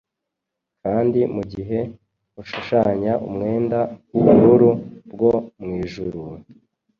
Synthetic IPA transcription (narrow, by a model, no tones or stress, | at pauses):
kaːndimuɟiɦe̞ | uʃuʃaɲaʔṵmŋe̞ːndawuβuɾuɾubɡo̞mŋiːʒuɾuwe